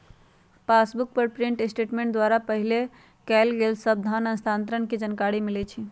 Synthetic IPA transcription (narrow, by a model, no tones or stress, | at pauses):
pasbuk̚pəɾpɾiɳʈesʈeʈmẽɳʈ̚d̪waɾapəɦile | kɛlɡelsəb̚d̪ʱanənst̪ʰant̪ɾənked͡ʒənkaɾimilɛt͡ʃʰi